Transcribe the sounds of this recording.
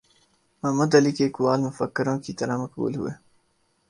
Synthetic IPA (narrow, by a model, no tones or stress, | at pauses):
mɐmɐd̪ɐlikeːkwaːlmʊfɐkːɪɾõːkit̪ɐɾamɐkbṵːlɦṵwe